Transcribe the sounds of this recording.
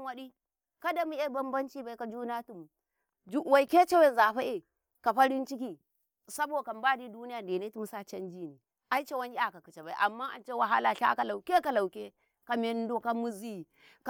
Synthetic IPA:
wa˦ɗi˦ | ka˦da˦mu˦a˦ba˦mba˦nt͡ʃi˦ba˦i˦ka˨d͡ʒu˦na˦tu˨m˨ | d͡ʒu˦wa˨i˨ke˦t͡ʃe˦we˦˨za˨ɸa˦e˨ | ka˨ɸa˦ɾi˦nt͡ʃi˦k̬i˨ | sa˦bo˨ka˨m˦ba˦di˦du˦ni˦ja˨nde˨ne˦tu˦mu˦sa˦t͡ʃe˦nd͡ʒi˦ni˨ | ʔa˦i˦t͡ʃe˦wa˦ni˦a˨ka˨ki˨t͡ʃe˨ba˨ḭ˦ʔa˨mːa˦a̰˨nt͡ʃe˦wa˨ɦa˦la˨ɬa̰˦ka˨la˨wkʲe˦ka˨la˨wke˦ | ka˨me˦n˦do˦ka˦mu˦zi˦˨ | k

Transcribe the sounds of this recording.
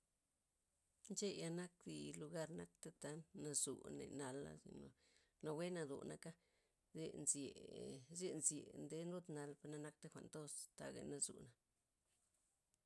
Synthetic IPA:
nt͡ʃe˦ja˧na˦k̚d̪i˧lu˧ɡa˦ɾna˦k̚t̪e˦t̪a˨˦na˧zṵ˨nḛ˨na˧lːa̰˧sḭ˨no˨ | na˧we˦na˧d̪ṵ˨na˧ka˦ | ze˧nzje˨ze˦nzje˨nd̪e˧nɾu˦t̪na˧lpa˧na˧na˦k̚t̪e˦xʷa̰˨nd̪o˦st̪a˧ɡa̰˧na˧zṵ˨na˨

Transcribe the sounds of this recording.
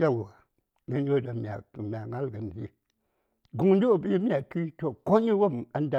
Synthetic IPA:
a˦wa˨ | ɡə˨˦n˦o˦˨da˨mʲ˨a̰˨mʲ˨a˨ŋa˦lɡə˨n˨d͡ʒḭ˦ | ɡu˨ŋ˦n˦du˦o˨bi˦mi˦a˨ki˦to˨ko˦ɲi˦wo˦ma˨n˦da˨

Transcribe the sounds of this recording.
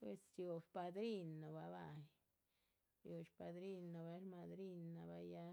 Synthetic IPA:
pwḛ˧sjo˨pa˧d̪ɾi˦nːo˨ba˧ba˧j | jo˨t͡ʃpa˧d̪ɾi˦˧nːo˨ba˧˦ɾma˧d̪ɾi˦˧nːa˨ba˧ja˧

